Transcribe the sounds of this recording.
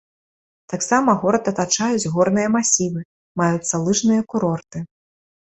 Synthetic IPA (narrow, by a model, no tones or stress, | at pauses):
t̪aksamɐɣɔɾɐt̪ɐt̪at͡ʂajud͡zʲɣɔrnɨjɐmasʲivɨ | majut̪sːɐlˠɨʐnɨjɐkuɾɔrt̪ɨ